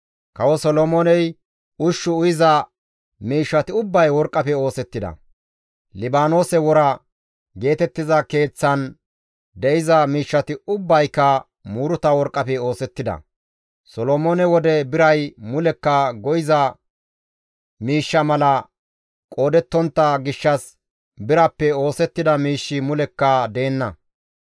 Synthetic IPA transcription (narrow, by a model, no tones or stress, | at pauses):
kɐwɔsɔlomoːnɛj | ʊʃːʊʊjɪzɐ | miːʃːɐt̪ɪʊbːɐjwɔɾkʼːɐpɛo̞ːsɛt̪ːɪd̪ɐ̰ | lɪbaːno̞ːsɛwɔɾɐ | ɡe̞ːt̪ɛt̪ːɪzɐke̞ːt͡sːɐn | d̪ɛʔɪzɐmiːʃːɐt̪ɪʊbːɐjkːɐ | muːɾʊt̪ɐwɔɾkʼːɐpɛo̞ːsɛt̪ːɪd̪ɐ̰ | sɔlomoːnɛwɔd̪ɛbɪɾɐjmʊlɛkːɐɡɔjɪzɐ | miːʃːɐmɐlɐ | kʼo̞ːd̪ɛt̪ːɔnt̪ːɐɡɪʃːɐs | bɪɾɐpːɛo̞ːsɛt̪ːɪd̪ɐmiːʃːɪmʊlɛkːɐd̪e̞ːnːɐ